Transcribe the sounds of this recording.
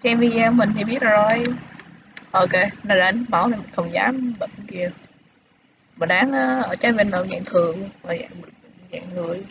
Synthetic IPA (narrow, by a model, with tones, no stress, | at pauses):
sɛ˧mvi˧˩ɛ˧wmï˨˩ŋ̟t̪ʰi˨˩ɓi˦˥ət̚a˨˩zo˨˩j | ʔo˧ke˧na˧˩ɗa̰ː˧˥n̚˦ɓa˧˩wla˨˩m˨˩nxə˧˩wŋ͡mza̰ː˨˦mɓḭ˧˨ŋ˧ki˧ə | mə˨˩nɗaː˨˦ŋʔaː˨˦ʔəː˧˩t͡ɕa˧˨˦ve˧nɗo˧˩wza̰ː˧˨ŋt̪ʰɨ˨˩əŋma˨˩za̰ː˧˨ŋ˨za̰ː˧˨ŋŋɨ˨˩əj